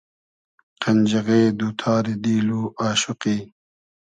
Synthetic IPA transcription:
qɐnʲd͡ʑɐɣeːd̪uːt̪ʰaːɾid̪iːluːʔaːɕuqiː

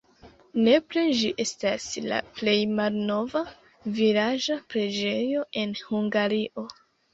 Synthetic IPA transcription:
ne̞pɾed͡ʒiʔe̞stasla̰ple̞jmalno̞va | vilad͡ʒapɾed͡ʒe̞jo̞e̞nhuŋɡaɾiʔo̞

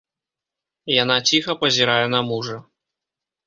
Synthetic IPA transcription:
janat͡sʲixɐpɐzʲiɾajɛnɐmuʐɐ

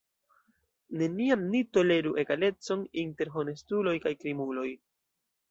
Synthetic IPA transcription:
ne̞niamnito̞le̞ɾuʔe̞ɡale̞t͡so̞ninte̞ɾɦo̞ne̞stulo̞jkajkɾimulo̞j

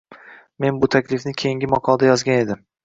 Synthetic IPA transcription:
me̞nbʊt̪ʰakʲlɪfnɪkʲʰe̞jiŋɡʲɪmɒqʰɒlˠd̪ajɒzɡʲane̞d̪ɪm

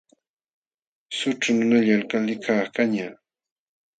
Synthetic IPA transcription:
sʊʈ͡ʂʊnʊnaʎalkalɪkʰakaɲa

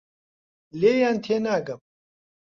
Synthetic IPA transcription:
leːjaːnt̪ʰeːnaːɡɐm

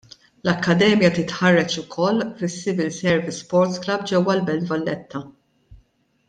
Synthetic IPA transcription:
lɐkːɐd̪ɛːmjɐt̪ɪt̪ħɐrːɛt͡ʃʊkʰɔlːfɪsːɪvɪlsɛɾvɪsːpɔɾt̪sklɐb̚d͡ʒɛwːɐlbɛlt̪vɐlːɛt̪ʰːɐ

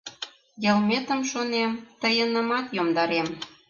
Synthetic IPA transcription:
jəlmet̪əmʃonemt̪əjənə̆mɑt̪jomd̪ɑɾem

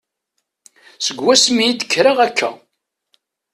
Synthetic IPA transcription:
səɡwæsmijid̪əkʰːɾaʁækʰːæ̰

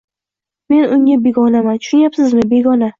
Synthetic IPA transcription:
me̞nʊŋabe̞ɡɒnamant̪ʰʊ̥ʃʊnjapsɪzmɪbe̞ɡɒna

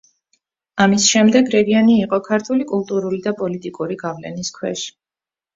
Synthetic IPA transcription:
amisʃɛmd̪ɛɡɾɛɡianiːqʼɔkʰaɾt̪ʰulikʼulˠt̪ʼuɾulid̪apʼɔlit̪ʼikʼuɾiɡavlɛ̰niskʰwɛ̰ʃi̥

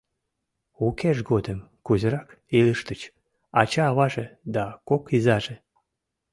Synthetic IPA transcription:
ukeʒɡod̪əmkuzəɾɑk | iləʃt̪ət͡ɕ | ɑt͡ɕɑːβɑʒed̪ɑkokizɑʒe

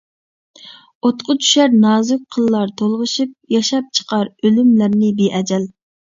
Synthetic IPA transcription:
ot̪qʰʊt̪ʰy̥ʃæɾnɑːzʊk̚ʲqʰəlˠːɑɾt̪ʰolˠʁəʃɨp̚jɑʃɑp̚t͡ʃʰə̥qɑɾølymlæɾnɪbeʔɛd͡ʒɛl

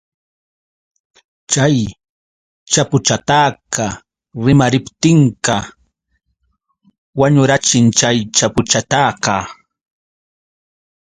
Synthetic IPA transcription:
t͡ʃaj | t͡ʃapʊt͡ʃat̪aːkɑ | ɾɪmaɾɪpt̪ɪɴqɑ | waɲʊɾat͡ʃɪnt͡ʃajt͡ʃapʊt͡ʃat̪aːkɑ

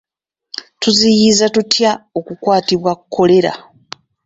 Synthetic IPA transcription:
tuzijizatutjao̞kukwaːtiβwakukʰːo̞le̞ɾa̰

